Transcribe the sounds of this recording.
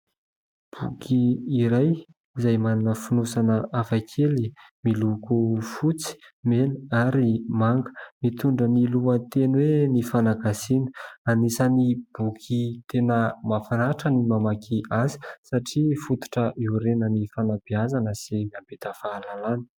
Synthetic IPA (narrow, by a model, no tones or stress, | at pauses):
b̥ukʰiːɾaj | izajmanunəfunusanəafajkʰeli | milukufut͡si̥meniaɾimaŋɡə̥mit̪uɳɖ͡ʐəniluant̪enwenifanaɡasinə̥anisənib̥ukʰit̪ʰenəmafanaʈ͡ʂənimamakʰiʔazi̥saʈ͡ʂifut̪u̥ʈ͡ʂəʔiuɾenənifanabiazanəsimiambet̪əfaːlalanə̥